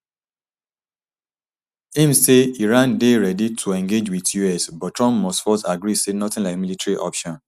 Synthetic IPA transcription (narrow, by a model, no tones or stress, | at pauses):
ĩmseiɹãndeɹɛditʰuɛ̃ŋɡed͡ʒwiðjuɛsbɔtɹɔ̃mpmɔstfɔsaɡɹisenɔtɪ̃nlaɪkmilitaɹiʔɔpʃɔ̃n